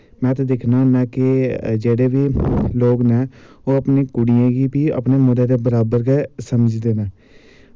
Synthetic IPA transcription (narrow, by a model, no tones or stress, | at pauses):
mɛ̃ːt̪aːd̪ɪkʰnaːɦənaːkɪd͡ʒeːɽeːʋiːloːɡnɛː | oːəpneːkʊɽiãːɡiːpiːə̰pneːmod̪eːd̪eːbəɾaːbəɾkɛːsəməd͡ʒd̪eːnaː